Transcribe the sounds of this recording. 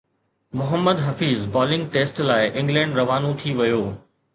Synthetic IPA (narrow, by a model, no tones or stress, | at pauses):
mʊɦəmːəd̪ɦɐfiːzbɔːlɪ̃ŋɡ̚ʈeːsʈlaːɪʔɪ̃ŋɡlɛ̃ːɳɖɾɐʋaːnũt̪ʰiʋɐjoː